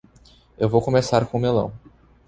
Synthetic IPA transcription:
ewvowkõmesaɾkõʊmelɐ̰̃w̃

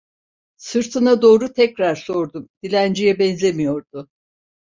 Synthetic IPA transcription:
sɯɾt̪ʰɯnad̪o̞ːɾut̪ʰɛcɾaɾso̞ɾd̪umd̪̥ilʲænd͡ʒijɛbɛnzemijo̞ɾd̪̥ʊ

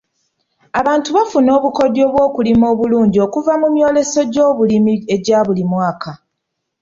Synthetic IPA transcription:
aβaːntuβafuno̞ːβuko̞djo̞ːβwo̞ːkulimo̞ːβuluːɲɟio̞kuvamumjo̞ːle̞so̞ɟo̞ːβulimie̞ɟaːβulimwaːkʰa

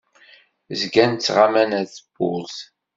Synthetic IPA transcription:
zɡænt͡sːʁamænæθəb̥ʊ̰lθ

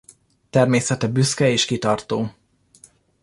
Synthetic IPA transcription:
t̪ɛrmeːsɛt̪ɛbyskɛeːʃkit̪ɒrt̪oː

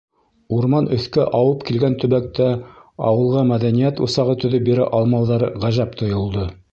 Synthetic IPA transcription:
uɾmɑnʔɵ̆θkæʔɑwɤpkilɡænt̪ɵ̆βæk̚t̪æɑ̰wɤ̆lˠʁɑmæðænijæt̪ṵsɑʁɤt̪ɵ̆ðɵp̚biɾæ̰ʔɑlˠmɑwðɑɾɤʁæʒæpt̪ʰŏjŏlˠd̪ɤ

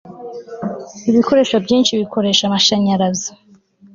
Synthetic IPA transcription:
iβiko̞ɾe̞ːʃwabjiːnʃiβikʰo̞ɾe̞ʃamaʃaɲaɾazḁ

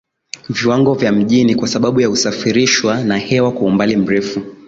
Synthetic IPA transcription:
viwaŋɡɔvjam̩ʄinikwasaɓaɓujausafiɾiʃwanahɛwakaumbalim̩ɾɛfu

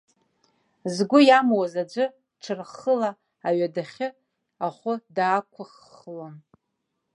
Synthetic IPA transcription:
zɡʷʊjamwazad͡ʒʷɨ | ʈ͡ʂʰɨrχəlaː | ɥadaχʲɪ | aχʷʊdaːkʷʰʊχ | lon

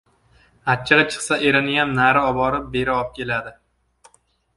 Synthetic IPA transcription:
at̪̚t͡ʃʰːaʁʲat͡ʃʰɨ̥χsaʔe̞ɾɪnɪjamnaɾɪɒbɒɾɪp̚be̞ɾɪɒp̚kʲʰe̞lad̪ɪ

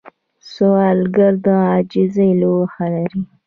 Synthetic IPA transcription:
soɑlɡaɾd̪ə̃ɑd͡ʒizajlowxalaɾi

